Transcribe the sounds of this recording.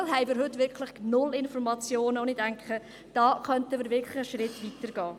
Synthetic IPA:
lɦɛɪmɪːɾɦɵtːvɪɾkʰlɪχnʊlɪnfɔɾmɑt͡sjoːnəʊnidæŋkχə | d̥ɑːχœntəmɪːɾʋɪɾkʰlɪχəʃrɪtʋitəɾɡ̥ɑː

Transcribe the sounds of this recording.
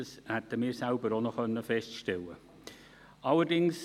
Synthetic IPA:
əshæt̪əmɪːɾsælbəɾonoxœnːəfɛstʃtɛlə̰ | ʔɑləɾdɪŋs

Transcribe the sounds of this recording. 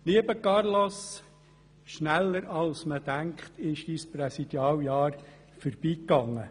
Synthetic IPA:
liəbəkɑrlɔs | ʃnælːəɾɑlsməd̥̪æŋkχt̪ɪʃisprɛsid̥̪jɑːljɑːɾ | fəɾb̥iːkːɑŋːə

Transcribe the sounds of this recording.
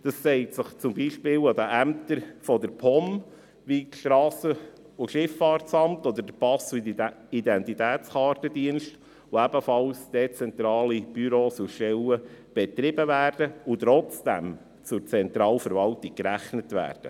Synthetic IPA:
d̥ɑssɛɪtsəχt͡sʊmbiːʃpɪːlɑd̪əʔæmt̪əɾfɔdəɾpʰɔm | ʋiʃtɾɑːsə | uʃɪfːɑːɾtsɑmtɔd̪əɾd̥əpɑsidɛntitæːt͡sχɑːɾtədiənʃt | ʋoæbəfɑlsd̥ɛt͡sɛnt̪ɾɑːlib̥yɾoːsuʃtɛləb̥ɛt̪ɾɪbəvæːɾd̥əʊt̪ɾɔt͡sd̥æm | t͡sʊɾt͡sɛnt̪ɾɑːlfəɾʋɑltik̚kɾæχnətʋæ̰ːɾd̥ə̰

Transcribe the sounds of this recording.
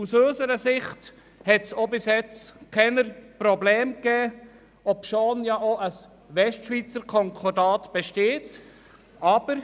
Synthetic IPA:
usøːsəɾəsɪχt | hɛtsobɪsjɛt͡skʰɛnəɾprɔblɛːmkɛː | ɔpʃoːnjɑʔoʔəs | ʋɛstʃʋiːt͡səɾkʰɔŋkʰɔɾdɑːtb̥eʃteːt | ɑb̥əɾ

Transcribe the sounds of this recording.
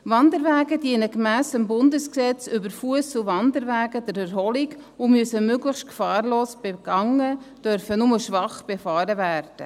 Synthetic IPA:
ʋɑndəɾvæːɡədiənəkmæːsəmbʊndəsksɛt͡sʏbəɾfuəsuvɑndəɾvæːɡədæɾɛɾɦɔliɡʊmyəsəmøɡləxt̚kfɑːɾloːsb̥eɡ̥ɑŋːəd̥œɾfənʊməʃʋɑχb̥efɑːɾəvæːɾd̥ə

